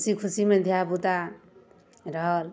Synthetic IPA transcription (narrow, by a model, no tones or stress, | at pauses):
sikʰusimẽd̪ʱjabut̪a | ɾʌɦʌl